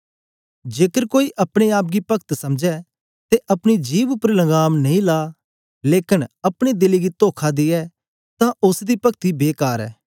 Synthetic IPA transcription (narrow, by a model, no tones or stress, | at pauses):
d͡ʒeːkəɾkoːiʔɐpɽ̃eaːp̬̚ɡipɐkt̪sɐmd͡ʒɛː | t̪eʔɐpɽ̃id͡ʒiːʋʊpəɾlə̃ŋɡaːmnɐĩlaː | leːkɪnɐpɽ̃ed̪ɪliɡit̪oːkʰad̪ɪɛː | t̪ãʔʊsd̪iːpɐk̚ʰt̪ibeːkaːɾɛ̰ː